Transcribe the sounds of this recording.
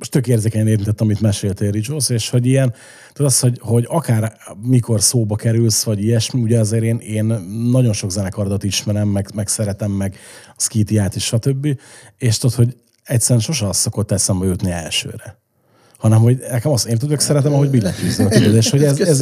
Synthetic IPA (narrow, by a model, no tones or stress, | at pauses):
moʃt̪økeːrzeːkɛɲɛneːt̪int̪ɛt̪ːɒmit̪mɛʃeːlt̪ɛɾid͡ʒoseːʃho̞ɟijɛn | t̪oːt̪ɒsho̞ɟho̞ɟɒkaːrmiko̞rsoːbɒkɛɾylsʋɒɟijɛʃmiuɟɛɒzeːɾeːneːnːɒɟo̞nʃo̞ɡzɛnɛkɒrd̪ɒt̪iʃmɛɾɛmːɛɡmɛksɛɾɛt̪ɛmːɛɡɒskit̪iaːt̪eʃʃɒt̪øbːi | eːʃt̪ot̪ho̞ɟ | ɛcʲsːɛɾɛnʃo̞ʃ̬ɛɒsːokot̪ːɛlsɛmbɒjut̪niɛ̰lʃø̰ːɾɛ | hɒnɛmho̞ɟnɛkɛmɒst̪eːnt̪ud̪øksɛɾɛt̪ɛmɒɦo̞ɟbilːɛfyzːiɒt̪yd̪ød̪eːʃho̞ɟɛzɛz